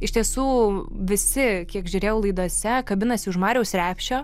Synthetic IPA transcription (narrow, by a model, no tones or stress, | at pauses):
ɪʃt̪ʲiɛsuːʋʲɪsʲɪkʲiɛkʒʲʊɾʲeːjɛʊlˠɐɪd̪oɔsʲɛkɐbʲɪnɐsʲɪʊʃmɑːɾʲɛʊsɾʲæːpʲʃʲoː